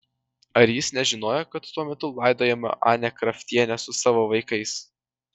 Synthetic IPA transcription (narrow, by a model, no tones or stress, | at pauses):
ɐɾjɪsnʲɛʒʲɪnoːjɛkɐt̪ːuɔmʲɛt̪ʊlˠɑɪd̪oːjɛːmɐ̰ʔɑ̰ːnʲɛkɾɐfʲt̪ʲiɛnʲɛsʊsɑːʋoːʋɐɪkɐɪs